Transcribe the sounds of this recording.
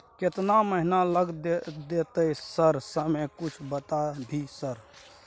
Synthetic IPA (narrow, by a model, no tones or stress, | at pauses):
ket̪naməɦinaləɡd̪d̪et̪əsəɾsəmekut͡ʃʰbət̪abʱisəɾ